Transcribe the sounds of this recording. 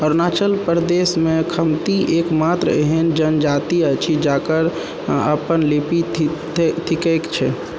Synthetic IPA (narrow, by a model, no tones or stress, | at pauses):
ɔːɾnaːt͡ʃəlpəɾd̪esmẽkʰəmt̪iʔekmat̪ɾə̰ɦend͡ʒənd͡ʒat̪iət͡ʃʰid͡ʒakəɾ | ə̰pənlepi | t̪ʰikekt͡ʃʰɛ